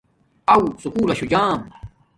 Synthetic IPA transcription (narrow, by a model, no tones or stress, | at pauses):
ɐwsukuːlɐɕud͡ʑaːm